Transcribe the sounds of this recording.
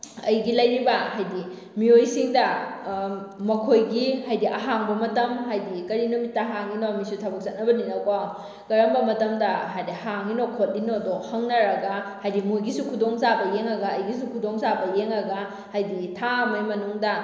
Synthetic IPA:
ɐjɡilɐjɾibɐɦajdi | miojsiŋdɐ | mɐkʰojɡihajdiʔɐɦaŋbɐmɐtɐmɦajdikɐɾinumitːɐɦaŋninomisutʰabɐk̚sɐt̚nɐbɐninɐkaw | kɐɾɐmbɐmɐtɐmdɐɦajdihaŋninokʰot̚inodohɐŋnɐɾɐɡɐhajdimojɡisukʰudoŋzabɐjeŋɐɡɐːjɡis̬ukʰudoŋzabɐjeŋɐɡɐ | hajditʰamɐjmɐnuŋdɐ

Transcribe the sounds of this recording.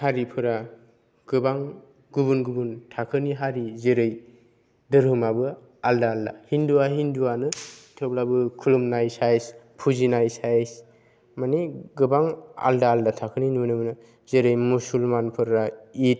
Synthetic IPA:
haɾipʰɯɾa | ɡ̥ɯbaŋ | ɡubunɡubuntʰakʰɯniɦaɾizeɾɯj | dɯɾhɯmabɯ | aldaːldahinduwaɦinduwanɯtʰɯblabɯkʰulumnajsajspʰuzinajsajs | maniɡɯbaŋa̰ldaːldatʰakʰɯninunɯmnɯ | zeɾɯjmusulmanpʰɯɾait̚

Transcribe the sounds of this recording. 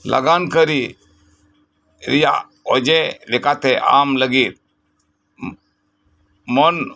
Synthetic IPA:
la̰ɡankəɾi | ɾija | ɔd͡ʒɛlɛkat̪ɛa̰mləɡit̪̚ | mɔn

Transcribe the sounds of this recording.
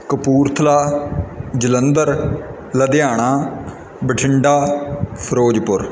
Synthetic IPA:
kəpuːɾt̪ʰəlaː | d͡ʒələnd̪əɾ | ləd̪ɪjaːɽ̃aː | bəʈʰɪɳɖaːpʰəɾoːd͡ʒpʊɾ

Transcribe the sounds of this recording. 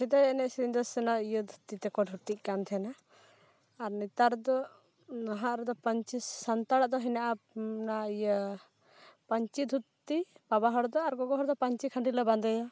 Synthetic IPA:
sɛd̪ajɛnɛʔsiɾind̪ɔsɛnaijəd̪ʱut̪ːit̪ɛkɔɖʱut̪iʔ̚ˀkant̪ʰɛnaː | ɾnit̪aɾd̪ɔ | naɦaʔɾɛd̪ɔpəɲt͡ʃisant̪aɽaʔd̪ɔɦinaʔanaijə | paɲt͡ʃid̪ʱut̪ːipabaɦɔɽd̪ɔaɾɡɔɡɔɦɔɾd̪ɔpaɲt͡ʃikʰəɳɖiləband̪ɛjɔ

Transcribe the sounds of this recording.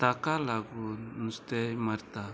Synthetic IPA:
t̪akalaɡunust̪ɛmaɾt̪a

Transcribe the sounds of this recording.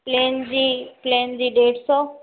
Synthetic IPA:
pleːnd͡ʒipleːnziːɖeːʈsɔ

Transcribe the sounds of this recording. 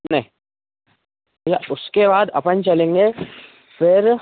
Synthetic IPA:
nɐɦĩ | jaʔʊskebaːd̪ɐ̰pənt͡ʃɐlẽːŋɡe | fɪɾ

